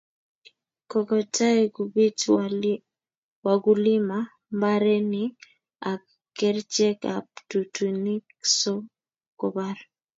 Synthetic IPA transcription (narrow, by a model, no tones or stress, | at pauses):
kɔkɔtaeɡubit | waɡulima | mbaɾɛnɪ | a | kɛɾt͡ʃɛkaptutuniksɔ | kɔbaɾ